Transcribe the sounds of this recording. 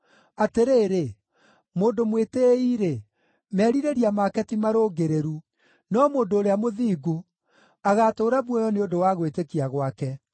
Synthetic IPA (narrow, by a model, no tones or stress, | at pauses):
ateɾeːɾe | moːndomweteiɾe | mɛːɾiɾeɾiamakɛtimaɾoɡeɾeɾu | nɔmoːndoːɾeamoðiːɡo | aɣatoːɾaβwɔjɔneodowaːɣwetekiaɣwakɛ